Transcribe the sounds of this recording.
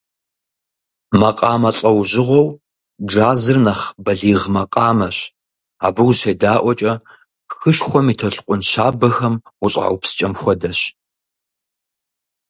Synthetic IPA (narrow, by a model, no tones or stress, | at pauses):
mɐqʼɑːmɐɬʼɐwʑɪʁʷɔw | d͡ʒaːzɨrnɐχbɐɮiːʁmɐqʼɑːmɐɕ | a̰ːbɨwɕeːdaːʔʷɔt͡ʃʼɐ | xɨʃxʷɔmiːtʰɐɬqʷʼʊnɕaːbɐxɐmʊɕʼa̰ːwpsɨ̥t͡ʃʼɐmxʷɔdɐɕ